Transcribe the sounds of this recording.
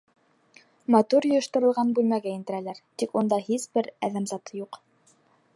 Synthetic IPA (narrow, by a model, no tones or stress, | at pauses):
mɑt̪uɾjŏjɤ̆ʃt̪ŏɾɤ̆lˠʁɑnbʉlmæɡæĭnt̪ɘ̆ɾælæɾt̪ikund̪ɑhisbɘɾæðæmzɑt̪ɤjuq